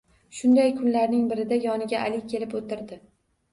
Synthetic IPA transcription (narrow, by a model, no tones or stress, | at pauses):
ʃʊnd̪ajkʰʊnlaɾnɪŋbɪɾɪd̪ajɒnɪɡʲaʔalɪkʲʰe̞lɪpot̪ɪɾd̪ɪ